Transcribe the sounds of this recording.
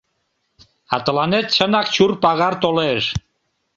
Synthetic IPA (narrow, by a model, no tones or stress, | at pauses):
ɑt̪ə̆lɑnet̪ʃənɑkt͡ɕurpɑɣɑrt̪oleʃ